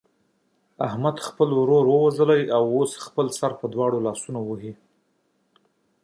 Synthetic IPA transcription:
ahmad̪xpəlɾoɾwəwazəlajawosxpəlsaɾpəd̪wɑɽolɑsunowəɦi

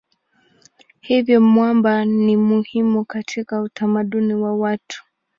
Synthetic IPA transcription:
hivjɔmwambanimuhimukatʰikautamaɗuniwawatu̥

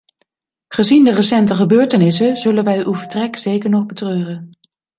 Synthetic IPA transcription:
χəzindərəsɛntəχəbøːɹtənɪsəzɵlənʋɛjywvəɹtrɛkzejkəɹnɔχbətrøːrən

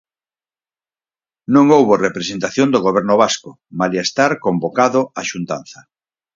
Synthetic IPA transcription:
nõŋowβorepɾesent̪aθjõnd̪oɣoβɛɾnʊβ̞asko | maliest̪aɾkombokaðoaʃunt̪a̰n̟θɐ

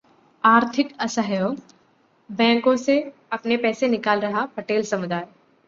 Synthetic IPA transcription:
aːɾt̪ʰɪkɐsaɦjo | bɛ̃ːŋkõseɐpnepɛːsenɪkaːlɾɐɦapɐʈeːlsɐmʊd̪aːj

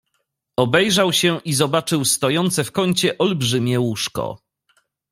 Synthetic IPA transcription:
ɔbɛjʐawɕɛʔizɔbat͡ʂɘwst̪ɔjɔnt̪sɛfkɔɲt͡ɕɛʔɔlbʐɘmʲjɛwuʂkɔ̰

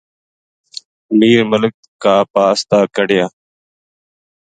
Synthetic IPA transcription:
miːɾmələk̚kaːpaːəst̪aːkəɽɪjaː

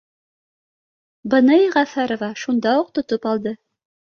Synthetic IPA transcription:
bɤ̆nɤʁæfæɾovɑʃund̪ɑuq̚t̪ŏt̪opɑlˠd̪ɤ

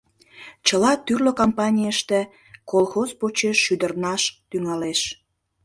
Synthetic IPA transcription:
t͡ɕəlɑt̪yrlokompɑnʲijəʃt̪e | kolˠxozpot͡ɕeʃːyd̪ərnɑʃt̪yŋɑleʃ

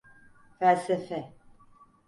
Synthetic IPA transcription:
fælsɛfɛ

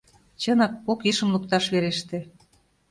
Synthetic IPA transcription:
t͡ɕɤnɑkːokiʃə̆mlukt̪ɑʃβeɾeʃt̪e

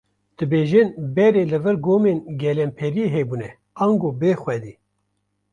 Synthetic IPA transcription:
d̪̥ɨbeːʒɨnbɛɾeːlɨvɨɾɡoːmeːnɡɛlɛmpʰɛɾieɦeːbuːnɛ | ɑːŋɡoːbeːxwɛd̪iː

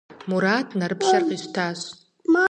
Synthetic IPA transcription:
muɾatʰnaɾɨpʰʃarqʼiʃʷtʰaɕ

